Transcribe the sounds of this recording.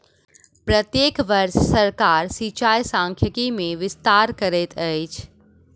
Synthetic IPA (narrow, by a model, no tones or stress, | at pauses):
pɾət̪jeːkʋəɾʃsɐɾkaːɾsit͡ʃaːjsãːŋkʰjəkimẽʋɪst̪aːɾkəɾet̪ʰəit͡ʃʰ